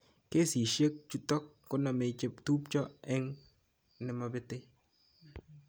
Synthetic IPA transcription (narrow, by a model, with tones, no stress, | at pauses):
ke˦si˨ʃe˦k̚t͡ʃu˦tɔ˦kːʊ˦na˨me˨t͡ʃɪ˦ptu˦pt͡ʃɔ˦ɛ˦ŋ | nɪ˨˦ma˨bɪ˦tɪ˦